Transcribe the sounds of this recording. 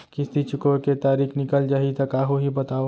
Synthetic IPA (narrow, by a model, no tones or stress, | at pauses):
kist̪it͡ʃʊkoket̪aːɾiːknɪkəld͡ʒaːɦit̪ɐkaːɦoɦibɐt̪aːo